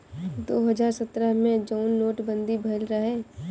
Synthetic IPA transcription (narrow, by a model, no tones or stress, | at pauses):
d̪oːɦəd͡ʒaːɾsət̪ɾəɦmẽd͡ʒɔːnːoːʈbə̃nd̪ibʱɐlɾɐɦɛː